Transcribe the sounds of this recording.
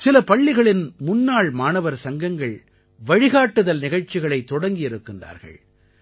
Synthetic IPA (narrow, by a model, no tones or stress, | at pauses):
sɪlɐpɐɭːɪɣɐɭɪnmʊnːaːɭmaːnɐʋɐɾsɐŋɡɐŋɡɐɭ | ʋɐɻɪɣaːʈːɯðɐlnɪɣɐɻt͡ʃːɪɣɐɭɐɪt̪ːɔɽɐŋɡɪjɪɾɯkːɪndra̰ːɾɣɐ̰ɭ